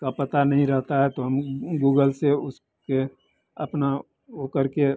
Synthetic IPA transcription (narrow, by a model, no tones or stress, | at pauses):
kapɐt̪anɐɦĩɾɐɦt̪aɦɛt̪oɦəmɡuːɡəlseʊs | ke | ɐpna | oːkəɾke